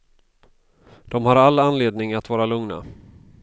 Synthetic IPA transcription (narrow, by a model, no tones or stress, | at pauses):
d̪̥ɔmhaɾalːanleːd̪̚nɪŋat̪vɑːɾalɵŋna̰